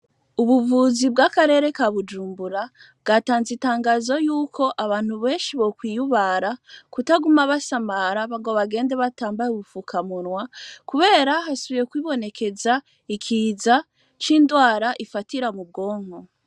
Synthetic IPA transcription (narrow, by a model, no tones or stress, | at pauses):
uβuvuːzibɡakaɾe̞ːɾe̞kaβud͡ʒuːmbuɾa | b̚ɡataːnzitaːŋɡaːzo̞juːkʰo̞ʔaβaːn̥huβe̞ːnʃiβokwiːjuβaɾakutaɡumaβasamaɾaβaŋɡo̞βaɡe̞ːndeβataːmbajuβufukʰamunwakuβe̞ːɾaɦasuβiɾe̞kwiːβo̞ne̞ke̞za | ikʰiːza | t͡ʃiːndwaːɾaʔifatiɾamub̚ɡo̞ːŋ̥o̞